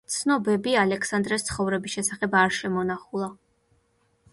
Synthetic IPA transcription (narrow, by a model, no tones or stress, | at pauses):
t̪sʰnɔbɛbialɛkʰsand̪ɾɛst̪sʰχɔvɾɛbisʃɛsaχɛbaɾʃɛmɔnaχulˠa